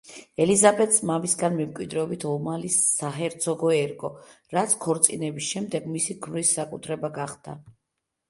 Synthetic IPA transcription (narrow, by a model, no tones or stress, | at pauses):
ɛlizabɛt̪smamisɡanmɛmkʼwid̪ɾɛɔbit̪ʰɔmalisːaɦɛɾt̪sʰɔɡɔɛɾkʼɔ | ɾat̪sʰkʰɔɾt̪sʼinɛbisʃɛmd̪ɛɡmisiɡmɾisːakʼut̪ʰɾɛbaɡaχd̪a̰